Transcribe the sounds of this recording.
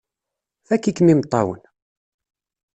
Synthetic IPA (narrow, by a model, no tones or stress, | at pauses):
θækːikːmimt̪ˤːɑwə̰n